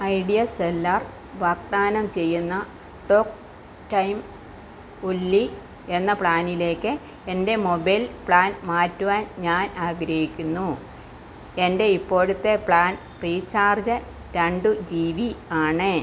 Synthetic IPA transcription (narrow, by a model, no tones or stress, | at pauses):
ɐjɖijɐselːɐr | ʋaːkt̪aːnɐmt͡ɕe̞jːunːɐ | ʈo̞ːk | ʈɐjm | ulːi | e̞nːɐpɭaːnile̞ːkːɨ | ende̞mo̞bɐjlpɭaːnmaːtːuʋaːnɲaːnaːɡɾɐhikʲːunːu | e̞nde̞ipːo̞ːɽut̪ːe̞pɭaːn | priːt͡ɕːaːrd͡ʑɨ | ɾɐɳɖud͡ʑiːʋiaːɳɨ